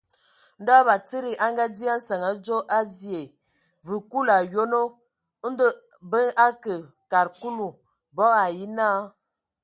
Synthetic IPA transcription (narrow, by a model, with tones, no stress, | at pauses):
n̩˦da˦ba˨t͡si˦ɾi˨ʔa˦ŋɡa˦di˦a˦n̩˦sa˨ŋa˨d͡ʒo˦ʔa˦di˦˨e˨ | vɨ˨ku˦la˨jo˦no˦ | n̩˦də˦ | bə˦a˦kə˨ | ka˨ɾku˦lu˨ | bɔ˦a˨ji˦naː˦